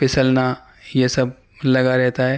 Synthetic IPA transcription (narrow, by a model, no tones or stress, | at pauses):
pɪsəlna | jesɐb̚ | lɐɡaɾɛɦt̪aɦɛː